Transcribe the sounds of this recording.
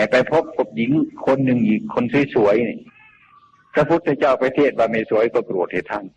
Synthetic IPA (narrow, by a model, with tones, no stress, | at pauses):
a˧˩pa˧jpʰo˦˥p̚ko˧˩p̚ji˨˦ŋkʰo˧˥nːɯ˧ŋʔiː˨˩kʰːo˧˥nsu˧˩˦jsu˨˩˦əjni˧˩ | pɾa˧pʰu˧˥t̪̚ʰːa˧˩t͡ɕaː˧˥˩wpa˧t̪ʰeː˧˩t̪̚waː˧ma˧˩su˨˩˦əjkɔː˧˩kɾu˨˩ət̪̚he˨˧˩t̪ʰa˧˥˩n